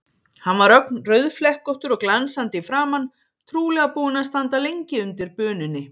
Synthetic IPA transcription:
hanvaɾœk̚nrœɥðflɛhkɔht̪ʏɾɔɣklansant̪ɪfɾaːmanː | t̪ʰɾuːlɛɣapuːɪnaðst̪ant̪alejɲcɪʏnt̪ɪɾpœːnʏnːɪ

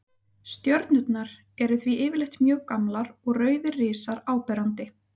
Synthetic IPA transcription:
st̪jœɾt̪nʏt̪naɾ | ɛɾʏθviʔɪːvɪɾlejxt̪mjœːɣkamlaɾɔɣrœːɥðɪrːɪːsaɾaːwpɛɾant̪ɪ

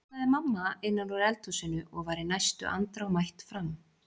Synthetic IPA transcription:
aðɪmamːaɪnːalɔɾɛlt̪usɪnːʏʔɔɣvaɾɪnajst̪ʏ̰ʔa̰nt̪ɾawmajht̪fɾam

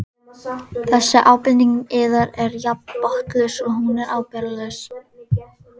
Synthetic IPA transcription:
θɛsːɪʔaːwpɪnniŋkɪːðaɾɛɾjappɔht̪lœsɔɣhunɛɾʔaːwpɛɾalʏs

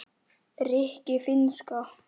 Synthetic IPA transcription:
rɪhcɪfɪnska

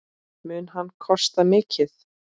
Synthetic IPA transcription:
mʏːnɦanːkʰɔst̪amɪːcʰɪθ

